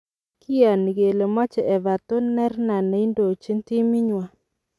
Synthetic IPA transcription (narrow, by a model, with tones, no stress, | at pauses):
kʰi˦ja˨ni˨ɡe˨le˨mɔ˦t͡ʃɛ˨ɛ˨βa˨to˦nɛ˦ɾna˨na˨˦i˦ndo˨t͡ʃi˦n˦ti˦mi˦ɲwa˦